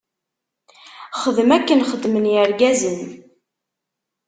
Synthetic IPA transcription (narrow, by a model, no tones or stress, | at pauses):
χəðəmækːənχəd̪ːmənjəɾɡæzən